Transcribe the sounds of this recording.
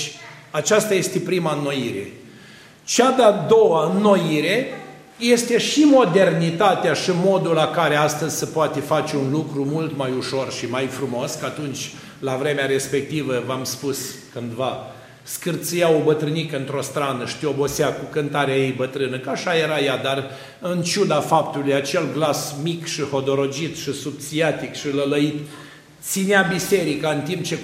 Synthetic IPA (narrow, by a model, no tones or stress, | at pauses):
at͡ʃast̪aje̞st̪e̞pɾimanːo̞jiɾe̞̰ | t͡ʃad̪ead̪o̞waɨnːo̞jiɾe̞ | je̞st̪e̞ʃimo̞d̪e̞rnit̪at̪eaʃimo̞d̪ulakaɾeast̪əzʲsəpoat̪efat͡ʃeunlukɾumult̪majuʃo̞rʃimajfɾumo̞skəat̪unt͡ʃʲ | lavɾe̞meaɾe̞spe̞k̚t̪ivəvamspuskɨnd̪va | skɨrt̪sijaobət̪ɾɨnikəɨnt̪ɾo̞st̪ɾanəʃt̪iobo̞seakukɨnt̪aɾeajejbət̪ɾɨnəkəaʃajeɾajad̪ar | ɨnt͡ʃud̪afapt̪ulujat͡ʃe̞lɡlasmikʃiho̞d̪oɾo̞d͡ʒit̪ʃisub̚t̪siat̪ikʃilələit̪ | t̪sineabise̞ɾikaɨnt̪imp̚t͡ʃe̞